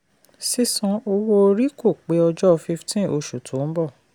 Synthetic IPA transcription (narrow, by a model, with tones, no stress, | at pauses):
si˦˧sɔ̃˧o˧wo˦o˧ɾi˦ko˦˨k͡pe˨˦ɔ˧d͡ʒɔ˦˧fi˧ftʰĩ˦o˧ʃu˨tʰõ˨˦m̩˦bɔ˦˨